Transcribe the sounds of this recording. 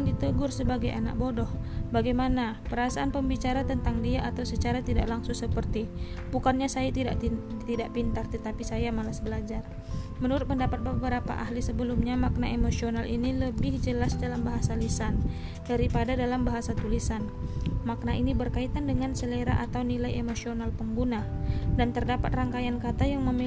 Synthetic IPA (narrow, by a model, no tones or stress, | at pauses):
aŋdit̪əɡʊrsəbaɡaja̰na̰k̚bodɔhbaɡajmanapəɾasaʔanpəmbit͡ʃaɾat̪ənt̪aŋdiaʔːt̪awsət͡ʃaɾat̪idaʔlaŋsʊŋsəpərt̪i | bukanɲasajat̪ida̰ʔ | t̪idaʔpint̪art̪ət̪apisajamalasbəlad͡ʒar | mənuɾʊt̪̚pəndapat̪̚bəbəɾapa̰ʔa̰hlisəbəlumɲamak̚na̰ʔemosionaliniləbɪhd͡ʒəlasdalambaɦasalisan | daɾipadadalambaɦasat̪ulisan | mak̚naʔinibərkait̪andəŋansəleɾa̰ʔat̪awnilajemosionalpəŋɡunadant̪ərdapat̪̚raŋkajankat̪ajaŋməmi